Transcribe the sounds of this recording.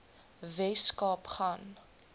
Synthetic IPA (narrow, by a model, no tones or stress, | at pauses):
vɛskɑːpχan